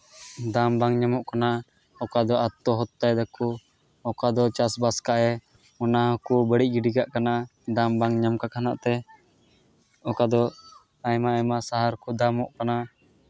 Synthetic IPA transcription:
d̪ambaŋɲamɔʔkana | ɔkad̪ɔʔat̪ːɔɦɔt̪ːajd̪aku | ɔkad̪ɔt͡ʃasbaskaʔɛ | mɔnaɦəkubəɽic̚ˀɡiɖiɡaʔkanad̪ambaŋɲamkakana̰ʔt̪ɛ | ɔkad̪ɔ | ajmaajmasaɦaɾkud̪amɔʔkana

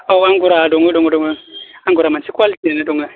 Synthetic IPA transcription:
aaŋɡuɾaduŋəduŋɡəduŋəaŋɡuɾamat͡ʃikʷalitienəduŋə

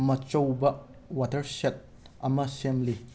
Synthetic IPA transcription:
mɐt͡ʃowbɐ | watɐɾset̚ | ɐmɐsemli

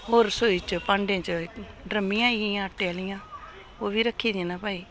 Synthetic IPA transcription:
ɦoːɾsoːiːt͡ʃpãːɳɖẽːt͡ʃə | ɖɾəmːɪ̃jãːiijãːʈeːlɪjãː | oːʋiːɾəkʰːiːd̪̃ːnaːpaːiː

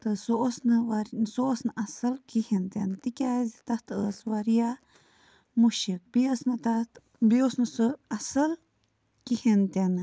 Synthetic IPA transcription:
t̪ɨsoosnɨʋaɾnsoːsnɨʔɐsɐlkihent̪enɨt̪ikʲaːzit̪ɐt̪ʰəːsʋaɾija | muʃik̚biɐsnɨt̪ɐt̪ | biosnɨsɨɐsɐl | kihent̪enɨ

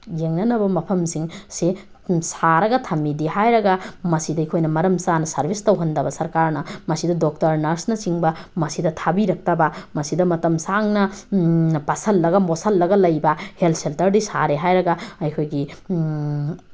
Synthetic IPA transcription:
jeŋnɐnɐbɐmɐpʰɐmsiŋse | saɾɐɡɐtʰɐmidihajɾɐɡɐmɐsidɐikʰojnɐmɐɾɐmsanɐsɐɾbʱistɐwɦɐndɐbɐsɐɾkaɾnɐmɐsidɐdok̚tɐɾnɐɾsnɐt͡ʃiŋbɐmɐsidɐtʰabiɾɐk̚tɐbɐmɐsidɐmɐtɐmsaŋnɐ | pasɐlːɐɡɐmosɐlːɐɡɐlɐjbɐhelt̚seltɐɾdisa̰ɾeɦajɾɐɡɐɐjkʰojɡi

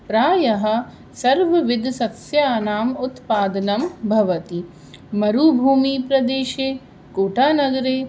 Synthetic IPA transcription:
pɾaːjɐɦɐ̆ | sɐɾʋɐʋid̪ʱsɐt̪sjaːnaːmut̪paːd̪ɐnɐmbʱɐʋɐt̪i | mɐɾuːbʱuːmiːpɾɐd̪eːʃeː | koːʈʰaːnɐɡɐɾeː

